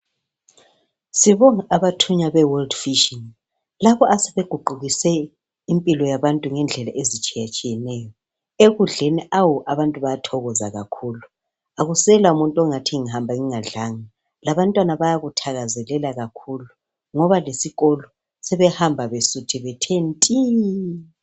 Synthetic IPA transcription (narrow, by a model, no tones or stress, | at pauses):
siβɔŋaʔaβatʰuɲaβɛwɔldfiʃin | laβɔʔasɛβeɡ̥ʱuɡ͡ǃʱuɣisɛ | impʼilɔjaβantʼuŋɛnd͡ɮʱɛlaʔezit͡ʃʼijat͡ʃʼijɛnɛjɔ | eɣuɮeniʔawɔʔaβantʼuβajatʰɔɣɔzaɣakʰulu | aɣusɛlaumuntʼɔŋatʰiŋiɦambʱaŋiŋaɮaŋa | laβantʼwanaβajaɣutʰaɣazɛlɛlaɣakʰulu | ŋɔβalesiɣɔlɔ | sɛβɛhambʱaβesutʰiβɛtʰentʼi